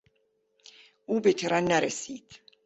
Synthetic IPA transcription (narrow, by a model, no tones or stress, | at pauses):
ubɛt̪ʰɛɾanːaɾɛsiːt̪ʰ